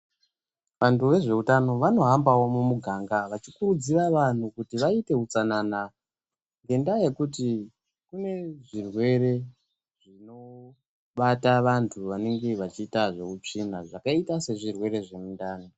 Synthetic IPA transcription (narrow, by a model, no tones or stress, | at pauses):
ʋantuʋe̞ʐe̞utano̞ʋano̞ɦambawo̞mumuɡʱaːŋɡaʋat͡ʃikuɾud͡ziraʋan̤ukutiʋaite̞ut͡sanana | ŋɡe̞ndaje̞kuti | kune̞ʐirwe̞ɾe̞ | ʐ̥ino̞ | ɓataʋantʰuʋane̞ŋɡe̞ʋat͡ʃiːtaʐe̞ut͡ʂinaʐakaitase̞ʐirwe̞ɾe̞ʐe̞mundaːno